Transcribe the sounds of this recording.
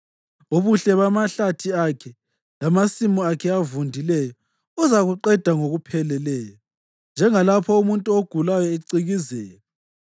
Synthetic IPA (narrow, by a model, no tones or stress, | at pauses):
oβuɬɛβamaɬatʰiakʰɛ | lamasimɔakʰɛavundʱilɛjɔ | ɔzaɣuǃɛd̥ʱaŋoɣupʰɛlɛlɛːjɔ | nd͡ʒʱɛŋalapʰɔumuntʼuoɡ̥ʱulajɔeǀiɣizɛːjɔ